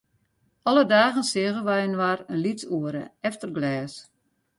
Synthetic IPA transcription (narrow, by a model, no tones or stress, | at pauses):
ɔlədaːɣənsɪəɣənʋɛjənʋarənlit͡suəɾə̰ɛftərɡlɛːs